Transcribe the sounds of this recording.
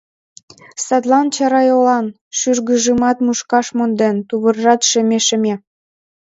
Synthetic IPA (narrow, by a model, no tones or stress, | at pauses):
sɑt̪lɑnt͡ɕɑɾɑjolɑn | ʃyrɣəʒəmɑt̪muʃkɑʃmond̪ent̪uβə̆rʒɑt̪ʃĕmeʃə̆me